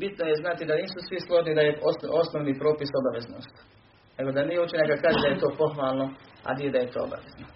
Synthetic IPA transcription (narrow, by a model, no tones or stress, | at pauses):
bit̪nojeznat̪id̪aniːsusʋislˠoʒnid̪ajeosʔo̞snoʋniːpɾoːpisobaʋezno̰st̪ | ne̞ɡo̞d̪anijeut͡ʃinakakaːʒed̪ajet̪oːpoxʋaːlˠnoa̰nijed̪aje̞t̪oːo̰ba̰ʋezno